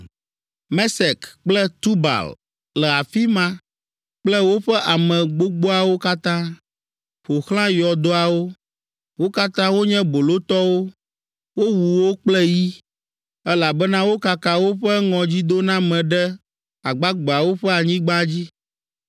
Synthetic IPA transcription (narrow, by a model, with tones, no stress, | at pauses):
mɛ˦sɛ˨kk͡plɛ˦t̪u˦ba̰˨l | lɛ˨a˨fi˦mã˦ | k͡plɛ˦wo˦ɸɛ˦ʔa˨mɛ̃˨ɡ͡bo˦ɡ͡bo˦a˨wo˦ka˦t̪ã˦ | ɸo˨xl̃ã˦jɔ˨d̪o˦a˨wo˦ | wo˦ka˦t̪ã˦wo˦ɲɛ̃˦bo˨lo˦t̪ɔ˦wo˦ | wo˦wu˨wo˦k͡plɛ˦ji˦ | ɛ˦la˨bɛ˦nã˦wo˦ka˨ka˨wo˦ɸɛ˦ŋɔ̃˨d͡ʑi˦d̪o˦nã˦mɛ̃˨ɖɛ˦ | a˨ɡ͡ba˦ɡ͡bɔ˨a˨wo˦ɸɛ˦a˨ɲĩ˦ɡ͡ba˦d͡ʑi˦